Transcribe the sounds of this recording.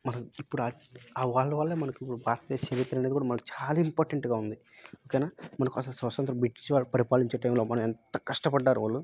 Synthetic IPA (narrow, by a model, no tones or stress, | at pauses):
mɐnɐipːuɽuaːaːʋaːɭːɐʋaːɭːemɐnɐkipːuɽubʱaːɾt̪ɐeːsɐɾit̪ːɐɾɐned̪ikuːɽaːmɐnɐkut͡ʃaːlaːimpoːɾʈɐɳʈuɡaːund̪i | okejnaːmɐnɐkuɐsɐlsɐsɐnt̪ɾɐmbiʈːit͡ʃiʋaːɭːɐpɐɾipaːliɲt͡ʃeʈɐjmlo̞ːmɐnɐmɛnt̪ɐkɐʂʈɐpɐɖːaːɾuʋaːlːu